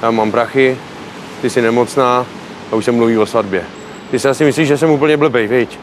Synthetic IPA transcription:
jaːmaːmpɾaxɪ | t̪ɪsɪnɛmo̞t͡snaː | auʃsɛmluviːvo̞svadbjɛ | t̪ɪsɪasɪmɪsliːʒɛs̬ɛmuːp̬l̩ɲɛbl̩bɛjvɪc

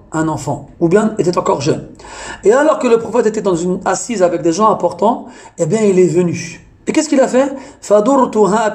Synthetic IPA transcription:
ɛ̃nɑ̃fɑ̰̃ubjɛ̃et̪ɛt̪ɑ̃kɔʁʒœnealɔʁkələpχɔfɛt̪et̪ɛd̪ɑ̃zynasizavɛk̚d̪eʒɑ̃ɛ̃pɔʁt̪ɑ̃ebjɛ̃ilɛvəny | ekɛskilafɛfad̪uɾt̪uɦa

